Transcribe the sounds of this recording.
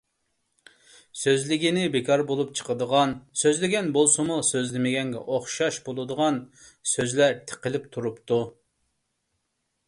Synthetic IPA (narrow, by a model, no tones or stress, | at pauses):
søzlɪɡʲinɪbekʰɑɾbolˠup̚t͡ʃʰə̥qəd̪əʁɑnsøzlɪɡʲɛnbolˠsɨmusøzlɪmɪɡʲɛŋɡʲɛ̰ʔoχʃɑʃbolˠɨd̪əʁɑnsøzlæɾt̪ʰə̥qəlɪp̚t̪ʰuɾupt̪ʰu